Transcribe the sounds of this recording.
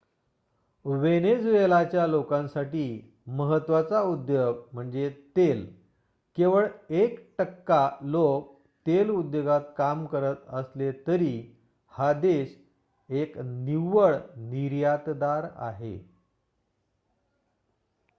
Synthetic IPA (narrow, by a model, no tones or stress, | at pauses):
ʋened͡zuelat͡ɕjalokãnsaʈiː | məɦət̪ʋat͡saud̪joɡm̤əɳd͡zet̪el | keʋəɭekʈəkːalok̚ | t̪elud̪joɡat̪̚kamkəɾət̪əslet̪əɾiː | had̪eɕ | ekniʋəɭniɾjat̪d̪aɾa̰ɦḛ